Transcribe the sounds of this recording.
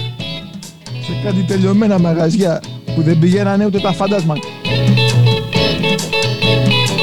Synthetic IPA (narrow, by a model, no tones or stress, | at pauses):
sekad̪it̪eʎomenamaɣazjapuðebɾiʎaɾanewt̪̬et̪afad̪azmaɲ